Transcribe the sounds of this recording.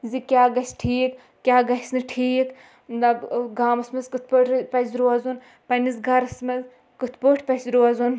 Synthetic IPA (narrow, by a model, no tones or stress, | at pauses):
zikʲjaːɡɐsʈʰiːk | kʲaːɡɐsnɨʈʰiːk | d̪ɐbɡaːmɐsmɐzkɨt̪̚ʰpoʈpɐsʲɾuazun | pɐnisɡɐɾɐsmɐz | kɨt̪ʰpoːʈʰpɐsʲɾuazun